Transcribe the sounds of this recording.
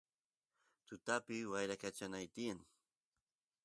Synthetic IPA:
t̪ʊt̪apɪwajɾakat͡ʃanajt̪iaŋ

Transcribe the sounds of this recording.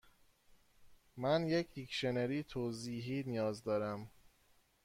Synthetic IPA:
mænjecʰhicʃeneɾiːt̪ʰoːziːɦiːnijɒːzd̪ɒːɾæm

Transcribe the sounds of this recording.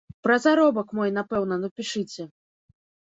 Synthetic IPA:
pɾɐzaɾɔbɐkmɔjn̪apɛwnɐnɐpʲiʂɨt͡sʲɛ

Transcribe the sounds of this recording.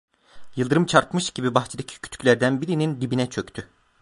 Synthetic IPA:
jɯlˠd̪ɯɾɯmt͡ʃʰaɾt̪mɯʃɟibibaxt͡ʃʰɯd̪acʰi̥cʰy̥t̪ʰy̥cʰʲlʲæɾd̪ænbiɾinind̪ibinɛt͡ʃʰø̞ct̪ʰy

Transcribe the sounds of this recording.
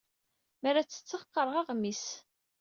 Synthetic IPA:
mæɾæt͡sːə̥t͡sːəfqːəɾˤʁɑʁmis

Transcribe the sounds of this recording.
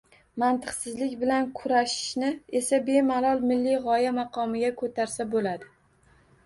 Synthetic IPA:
mant̪ʰɨqsɪzlɪkʲbɪlankʰʊɾaʃɪ̥ʃnɪe̞sabe̞malˠɒlˠmɪlːɪʁɒjamaqʰɒmɪɡʲakʰɵt̪ʰaɾsabolad̪ɪ

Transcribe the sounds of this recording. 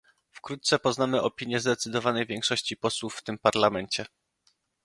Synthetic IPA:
fkɾut̪t̪sɛpɔznamɘʔɔpʲiɲjɛzd̪ɛt̪sɘd̪ɔvanɛjvʲjɛŋkʂɔɕt͡ɕipɔswufːt̪ɘmpaɾlamɛɲt͡ɕɛ

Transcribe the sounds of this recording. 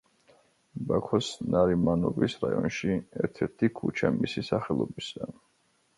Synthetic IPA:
bakʰɔsnaɾimanɔbisɾajɔnʃiɛɾt̪ʰɛɾt̪ʰikʰut͡ʃʰamisisaχɛlˠɔbisa

